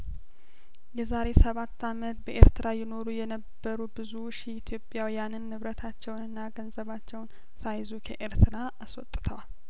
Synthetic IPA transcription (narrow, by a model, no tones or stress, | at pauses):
jɛzaɾe̞səβat̪ːamət̪bəʔeɾt̪ʰɨɾajɪno̞ɾujɛnəbːəɾubɨzuʃiit̪ʰjo̞pʼjawijanɨnːɨβɾət̪ʰat͡ʃːɛwnɨnːaɡənzəβat͡ʃːɛwn | sajzukʰəʔeɾt̪ʰɨɾa | aswɔt̪ʼːɨ̥t̪ʰəwal